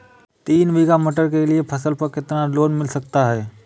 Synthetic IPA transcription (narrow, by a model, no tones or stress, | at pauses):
t̪iːnʋiːɡaməʈ̬əɾkelɪepʰɐsəlpɐɾkɪt̪nãloːnmɪlsɐk̚t̪aɦɛː